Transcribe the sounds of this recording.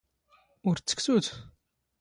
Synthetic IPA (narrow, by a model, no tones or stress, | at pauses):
ʊɾt͡sːə̥ksut̪